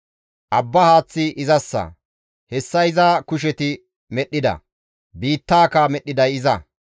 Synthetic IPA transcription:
ʔɐbːɐhaːt͡sːɪʔɪzɐsːɐ̰ | hɛsːɐɪzaːkʊʃ̬ɛt̪ɪ | mɛɗːɪd̪ɐ̰ | biːt̪ːaːkɐmɛɗːɪd̪ɐjɪzɐ

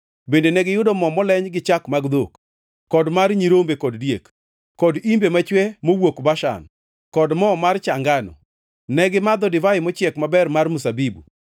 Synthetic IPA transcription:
bendenɛɡɪjʊdɔmɔmɔlɛɲɡɪt͡ʃakmaɡd̪ok | kːɔdmaɾɲiɾombekɔddjek | kːɔdimbemat͡ʃwɛmowokbaʃa̰n | kɔdmɔmart͡ʃaŋɡanɔ̰ | nɛɡɪmad̪ɔdɪvaɪmɔt͡ʃjɛkmabɛrmarmusabibṵ

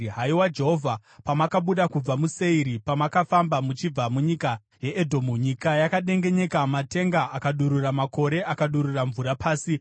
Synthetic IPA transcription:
ɦaiwad͡ʒe̞ɦo̞vʱa | pamakaɓuɗakub͡vamuse̞iɾipamakafambamut͡ʃib͡vamuɲika | je̞ʔedʱomuɲikajakaɗe̞ŋɡe̞ɲe̞kamate̞ŋɡaʔakaɗuɾuramako̞ɾe̞ʔakaɗuɾuraɱvuɾapʰaːsi

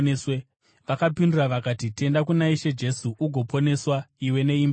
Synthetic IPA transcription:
swe | ʋakapinduraʋakatite̞ndak̬unaiʃe̞d͡ʒe̞suʔuɡʱo̞po̞ne̞swaiwe̞ne̞ima

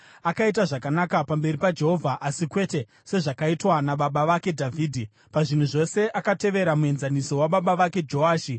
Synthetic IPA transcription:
akaitaʐakanakapambe̞ripad͡ʒe̞ɦo̞vʱaʔasikwe̞te̞ | se̞ʐakaitwanaɓaɓaʋake̞dʱavʱiːdʱi | paʐin̤uʐo̞se̞ʔakate̞ʋe̞ɾamue̞nzaniso̞waɓaɓaʋake̞d͡ʒo̞aːʃi

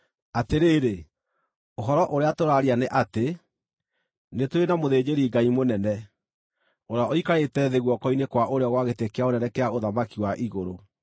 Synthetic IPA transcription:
ateɾeːɾe | oɦɔɾɔʔoɾeatoɾaɾianeʔate | netoɾenamoðeːd͡ʑeɾiɡaimonɛnɛ | oɾaoikaetɛðɛɣwɔkɔinekwaʔoɾeɔɣwaɣetekeaonɛnɛkɛaoðamakiwaʔiɣoɾo

